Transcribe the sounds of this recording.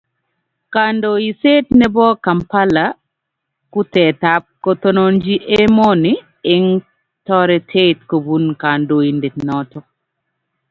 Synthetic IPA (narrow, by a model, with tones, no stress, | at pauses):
kandoi˨se˦tnɛ˦bɔ˦ka˨mpa˦la | ku˦tɛ˨tap̚kotɔ˦nɔnd͡ʒi˦ʔe˦mɔ˦ni | ɪ˦ŋ | tɔ˦ɾɛ˨tʰe˦tko˨bu˦nka˨ndo˨i˨ndi˨tnɔtɔ